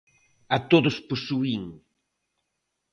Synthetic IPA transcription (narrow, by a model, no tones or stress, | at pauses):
ɐt̪oðʊsposuiŋ